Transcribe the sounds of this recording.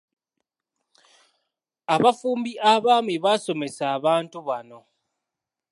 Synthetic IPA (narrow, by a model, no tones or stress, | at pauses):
aβafuːmbiʔaβaːmiβaso̞me̞saːβaːntuβano̞